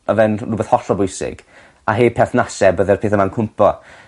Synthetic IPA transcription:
ɔvɛnuːbɛθhɔɬɔbʊjsɪ̰ɡ̥ | aɦeːpʰɛθnasɛbəðɛrpʰeːθəmankʰʊmpʰɔ

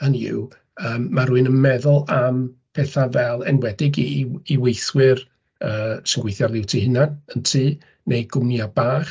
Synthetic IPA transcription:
anɪ̰w | əːmːaɾuɨnənmɛðʊlˠampʰɛθavɛlˠɛnwɛdɪɡiiwejθwɪr | əːsəŋɡwejθjarlˠɪwtʰiɦɪnanəntʰiː | nʔejɡʊmnjabaːχ

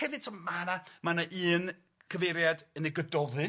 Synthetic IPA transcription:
hɛvɨd̥̚tʰɔmmanamanaʔɨːn | kʰəvejɾjadəneɡədɔðɨ

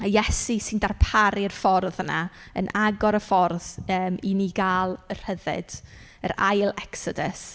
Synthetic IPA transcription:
ajɛsisɪndarpʰaɾirfɔrðənaə̰nʔaɡɔɾəfɔrðəːminiɡaːlˠər̥həðɪ̰d̥ | ə̰ɾajlˠɛksɔdəs

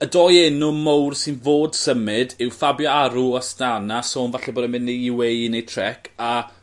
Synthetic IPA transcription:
ədɔjɛnʊmowrsɪnvoːd̥səmɪdɪwfabjɔaɾuastanasoːnvaɬɛboːdɛmɪnːejɪwejnejtʰrɛkʰa

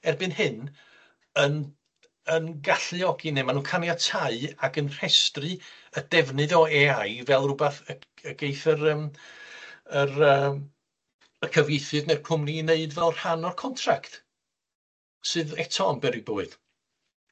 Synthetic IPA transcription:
ɛrbɨnhɪn | ən | ənɡaɬɨɔɡineːmanuːnkʰanjatʰaɨaɡənr̥ɛstrɨədɛvnɨðɔɛajvɛlˠrʊbaθə | əɡ̥ejθərəːm | ərəm | əkʰəvejθɨðnerkʰʊmnineɨdvɛlˠr̥hanɔrkʰɔntʰrakt | sɨːðɛtʰɔmbɛɾɨɡ̚boːɨð̥

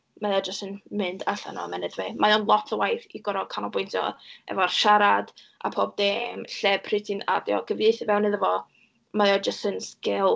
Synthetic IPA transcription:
maðɔd͡ʒəstənmɪndaɬa̰nɔ̰mɛnɛdvemajɔnlˠɔtʰəwajθiɡɔɾɔkʰanɔbʊjntʰjɔ̰ɛ̰vɔrʃaɾad̥ | ʔa̰pʰoːb̚demɬɛpʰrɪtʰina̰djɔ̰ɡ̥əvɨθivɛwnːɨðəvɔ | majɔd͡ʒəstənskɪlˠ

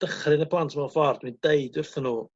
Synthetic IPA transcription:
d̥əχrɨnəpʰlˠantʰmafɔrd̥windeɨdʊrθənuː

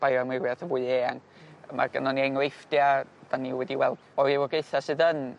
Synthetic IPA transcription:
b̥ajamɪwiaθəvuɨeːaŋ | ma̰rɡə̰nɔniaŋlejfdjad̥aniwɛdiwɛlˠd̥ɔivɔɡeɨθasɨðən

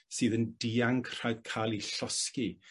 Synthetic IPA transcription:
sɨːðəndiaŋkʰr̥ajð̥kʰaːlˠiɬɔski

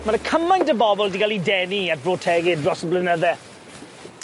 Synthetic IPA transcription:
maɾəkʰəmajntəbɔbɔlˠdiɡalidɛniat̚brotʰɛɡɪdrɔsəblɪnəðɛ

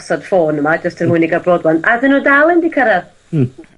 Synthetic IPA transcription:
sɔd̥foːnəmad͡ʒəstʰərmʊɨniɡabroːdwanaðɪnudalˠɪndikʰəɾɛr

